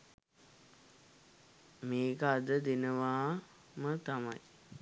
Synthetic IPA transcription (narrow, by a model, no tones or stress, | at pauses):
meːkəad̪əd̪enəʋaː | mət̪ama̰j